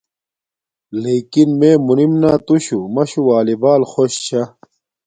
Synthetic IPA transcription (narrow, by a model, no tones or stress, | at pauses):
leːkinmeːmunimnaːt̪uɕumɐɕuwaːlibaːlxoɕɕa